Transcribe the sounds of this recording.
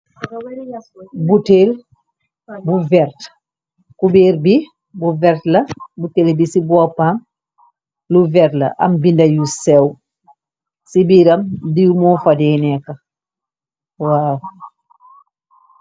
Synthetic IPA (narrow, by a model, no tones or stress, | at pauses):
butel | buvɛɾt | kubeːɾbi | buvɛɾtlɐbutelbisibɔpam | luvɛɾtlɐ̰ʔɐ̰mbindɐjusɛw | sibiɾɐmdiɾumɔfadɛːnɛkɐ | waːw